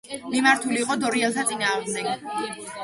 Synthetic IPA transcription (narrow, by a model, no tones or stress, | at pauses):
mimaɾt̪ʰuliːqʼɔd̪ɔɾiɛlˠt̪ʰat̪sʼinaːʁmd̪ɛɡ̥̚